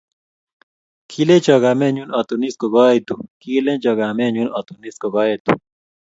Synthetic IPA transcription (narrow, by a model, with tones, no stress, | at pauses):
kʰi˦le˦t͡ʃɔ˨ɡa˨me˦ɲu˦nɔ˨t̪u˨ni˦sko˨ɡɔ˦e˦t̪u˨ki˦le˦t͡ʃɔ˨ɡa˨me˦ɲu˦nɔ˨t̪u˨ni˦sko˨ɡɔ˦je˦t̪ṵ˨